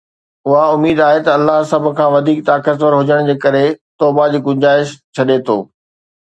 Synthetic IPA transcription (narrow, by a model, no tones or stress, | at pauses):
ʊɦaʊmiːd̪aːɦet̪ɐɐlːaɦsɐbʱʊ̆kʰãːʋɐd̪ʱiːk̚t̪aːkət̪ʋəɾɦʊd͡ʑəɽ̃d͡ʑeːkɐɾet̪ɔːbad͡ʑiːɡʊ̃ɲd͡ʑaːɪʃt͡ɕʰɐɗet̪ʰoː